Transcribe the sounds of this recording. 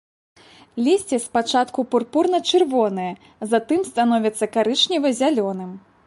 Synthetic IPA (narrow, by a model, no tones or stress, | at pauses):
lʲisʲt͡sʲɛspat͡ʂat̪kupurpurnɐt͡ʂɨrvɔnɐjɐ | zat̪ɨmst̪an̪ɔvʲɐt̪sːɐkaɾɨt͡ʂnʲivɐzʲalʲɔnɨm